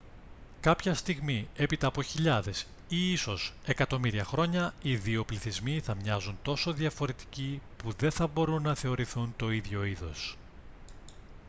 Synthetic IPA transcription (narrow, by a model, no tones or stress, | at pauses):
kɐpçɐst̪iɣmie̞pit̪ɐːpo̞çiʎɐðe̞s | iiso̞se̞kɐt̪o̞miɾiɐxɾo̞ɲɐiðio̞pliθizmiθɐmɲɐzunt̪o̞so̞ðjɐfo̞ɾe̞t̪i̥cipuðe̞θɐbo̞ɾunːɐθe̞o̞ɾiθunt̪o̞iðʝo̞iðo̞̰s